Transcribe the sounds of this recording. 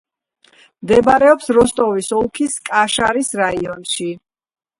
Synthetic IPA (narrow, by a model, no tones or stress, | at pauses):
md̪ɛbaɾɛɔpsɾɔst̪ʼɔvisɔlˠkʰiskʼaʃaɾisɾaiɔnʃi